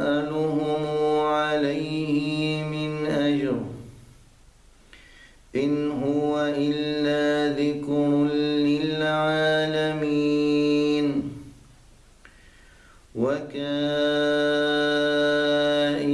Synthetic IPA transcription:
ʔalʊhʊmʕalajhɪmɪnʔad͡ʒɾ | ʔɪnɦʊwaʔɪlːaːðɪkɾʊlɪlʕaːlami | n | waka | ʔɪ

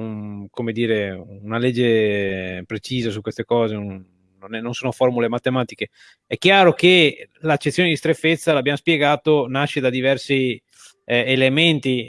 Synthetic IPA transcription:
ukomed̪iːɾeunaled͡ʒːe | pɾet͡ʃiːzasukwest̪ekɔːzeː | onɛnonsoːnoformulemat̪ːemaːt̪ike | ɛk̟ːjaːɾokelat͡ʃːet̪sːjoːned̪ist̪ɾefːet̪sːalabjamospjeɡaːt̪onaʃːed̪ad̪ivɛrsi | element̪i

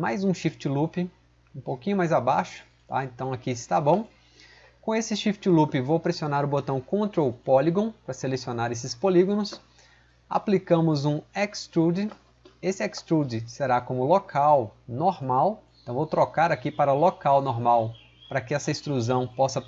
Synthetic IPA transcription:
majzũʃift͡ʃɪlupɪ | ũpowkĩɲʊmajzabaʃʊ̥ | t̪a̰ẽnt̪ɐ̃w̃akist̪abõ | kõesɪʃift͡ʃɪlupɪvowpɾesionaɾʊbot̪ɐ̃w̃kõnt̪ɾɐʊpɔliɡõpɾɐselesionaɾesɪspoliɡõnʊs | a̰plikɐ̃mʊzũɛkst̪ɾud̪ɪ | esɪɛkst̪ɾud͡ʒɪseɾakõmʊlokʰawnoɾmawẽt̪ɐ̃w̃vowt̪ɾokaɾakipaɾɐʊlokawnoɾmaw | pɾɐkɪɛsɐĩst̪ɾuzɐ̃w̃pɔsɐ

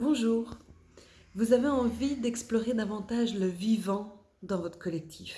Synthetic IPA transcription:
bɔ̃ʒuːʁ | vuzaveɑ̃vid̪ɛksplɔʁed̪avɑ̃t̪aʒləvivɑ̃ | d̪ɑ̃vɔt̪χə̥kɔlɛk̚t̪ʰif

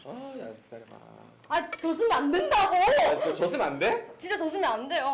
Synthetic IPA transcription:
a̰ | ait͡ɕʌs̬ʰɯmiandendaɡoot͡ɕʌsʰɯmandet͡ɕint͡ɕ͈at͡ɕʌs̬ʰɯmiandejo

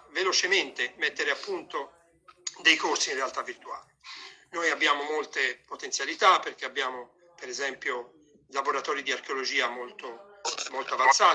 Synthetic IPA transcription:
velot͡ʃement̪emɛt̪ːeɾeapːunt̪o | d̪ejkorsinrealt̪avːirt̪ua̰ːlinojabːjaːmomolt̪epot̪ent̪sjalit̪apːeɾk̟eabːjaːmo | peɾɛzɛmpjo | laboɾat̪ɔːɾid̪iaɾk̟eolod͡ʒiːamolt̪omolt̪oavant̪saː

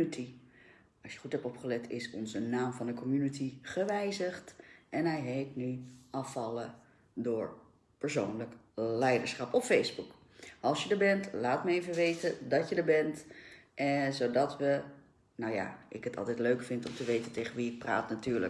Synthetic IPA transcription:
itʰi | ɑlsjəχutɦɛptɔpχəlɛtʰɪsɔ̰nzənaːmvɑndəkʰɔmjynitiχəʋɛjzəχtʔɛnɦɛjɦejtnyʔɑfɑlə | dʊːɹ | pəɹsownlək | lɛjdəɹsχɑpɔffejzbuk | ʔɑlˠsjədəɹbɛntlaːtməejvəʋejtədɑtjədəɹbɛntʔɛzodɑtʋə | nawja̰ʔɪkətʰɑ̰lˠtɛjtløɥkfɪntɔmtəʋejtəntejχənʋiɪk̚pra̰ːtnatyːɹlə̰

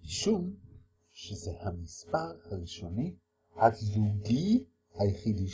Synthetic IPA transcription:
miʃum | ʃezehamispaʁhaʁiʃoni | hakzuɡi | hajχid̪i

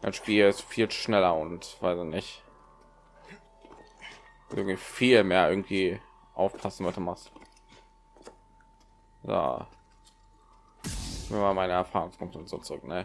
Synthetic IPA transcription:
ʔa̰ɪʃpiːlɪstfiːlʃnɛlɐʊntv̥aɪsɪçnɪç | ʔɪ̰ɐɡŋ̩tv̥iːfiːlmeːɐʔɪɐɡŋ̩tv̥iː | ʔaʊfpʰasn̩bɪduːmast | ja̰ː | mɛmamaɪnəɛɐfaːʁʊŋspʰʊŋtʊntz̥o̰ːt͡sʊʁʏk̚nə

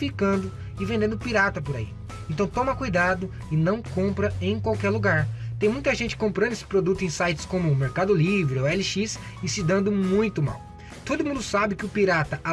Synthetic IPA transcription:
fikɐ̃nd̪ʊ | ɪvẽnd̪ẽnd̪ʊpiɾat̪ɐpʊɾaḭ | ẽnt̪ɐ̃w̃t̪õmɐkujd̪ad̪ʊ | ɪnɐ̃w̃kõmpɾɐẽj̃kwawkɛɾluɡaɾt̪ẽj̃mũj̃t̪ɐʒẽnt͡ʃɪ̥kõmpɾɐ̃d̪ʊesɪ̥pɾod̪ut̪ʊẽsajt͡ʃɪ̥skõmʊːmeɾkad̪ʊlivɾɪoɛlɪʃis | ɪsɪd̪ɐ̃nd̪ʊmũj̃t̪ʊma̰w | t̪od̪ʊmũnd̪ʊsabɪkɪʊpiɾat̪ɐʔa

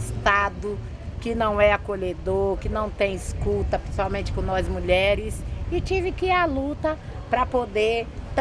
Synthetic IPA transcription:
st̪ad̪ʊ | kɪnɐ̃w̃ɛakoʎed̪oɾkɪnɐ̃w̃t̪ẽj̃ɪskut̪ɐpɾesuawmẽnt͡ʃɪ̥kõnɔzmuʎɛɾɪsɪt͡ʃivɪkɪialut̪ɐ | pɾɐpod̪eɾt̪

